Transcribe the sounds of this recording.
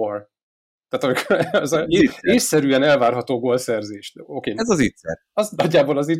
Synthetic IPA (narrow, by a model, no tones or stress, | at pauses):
or | t̪aːt̪ɒmikoɾɛzeːsːɛɾyɛnɛlvaːrɦɒt̪oːɡoːlsɛrzeːʃt̪oːkeːɛzɒzit̪sɛ̰r | ɒznɒɟːaːbolɒzi